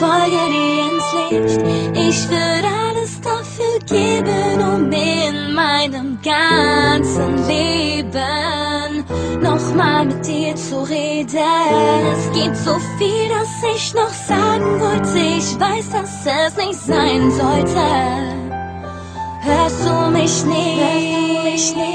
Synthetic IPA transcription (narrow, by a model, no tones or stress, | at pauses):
fɔdəeəntlɛftɪçvɪɾaləsd̥afyːɡeːbənʊmɪnmaɪnəmɡant͡sənleːbənːɔχmaːlmɪt̚d̥iːt͡suʁeːdəɛsɡ̥iːtz̥ofiːlasɪçnɔχz̥aːɡŋ̩vɔltʰɪçvaɪsd̥asɛsnɪçtz̥aɪnzɔltə | høsd̥umɪʃnɪhøumɪɪ